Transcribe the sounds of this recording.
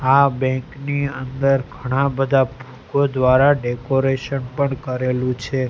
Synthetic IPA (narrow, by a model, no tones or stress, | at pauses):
abɛ̃ŋkniənd̪əɾɡʱəɽ̃ãbəd̪ʱabʱukod̪ʋaɾaɖekoɾeʃənpəɳkəɾelũt͡ʃʰe